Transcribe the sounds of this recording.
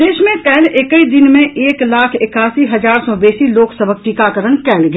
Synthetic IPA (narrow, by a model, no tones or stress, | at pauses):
d̪eːʃmẽkɛːlekəid̪ɪnmẽʔeːklaːkʰɪkaːsiɦɐzaːɾsɔːbeːsiloːksəbʱək̚ʈiːkakəɾənkɛːlɡ